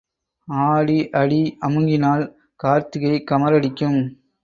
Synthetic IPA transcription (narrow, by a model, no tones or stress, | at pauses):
aːɽiʔɐɽiɐmɯŋɡɪnaːl | kaːɾt̪ɯɣɐɪkːɐmɐɾɐɽɪkʲːɯm